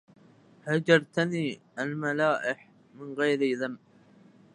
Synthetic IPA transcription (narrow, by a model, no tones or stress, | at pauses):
had͡ʒɑɾˤt̪aniːʔalmalaːʔɪħ | mɪnɣajɾɪðam